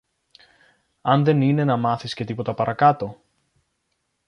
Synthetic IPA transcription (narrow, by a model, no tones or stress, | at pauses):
ɐnðe̞nine̞nɐmɐθisce̞t̪ipo̞t̪ɐpɐɾɐkɐt̪o̞